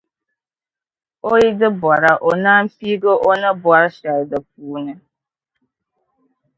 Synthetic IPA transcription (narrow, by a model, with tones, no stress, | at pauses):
o˦i˦dɪ˦ba˨ɾa˨ʔo˨na˦m̩˦fi˦ɡo˦ʔo˦na˦bʊ˨a˦ɾʃa˨ɾdə˨p̚uː˨˦ne˦